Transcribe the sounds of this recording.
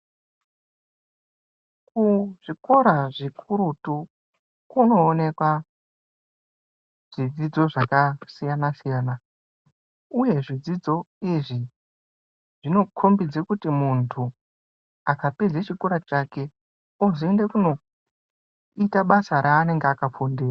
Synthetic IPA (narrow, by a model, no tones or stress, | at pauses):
kuʐ̥iko̞ɾaʐikʰuɾutu | kuno̞ːne̞kwa | ʐ̥id͡zid͡zo̞ʐakasijanasijaːna | uje̞ʐid͡zid͡zo̞ | iʐi | ʐ̥ino̞kʰo̞mbid͡zekutimuntʰu | akapid͡zet͡ʃiko̞ɾat͡ʃake̞ | ozoende̞kuno̞ | itaɓasaɾʔaːne̞ŋɡeakap͡fondiːra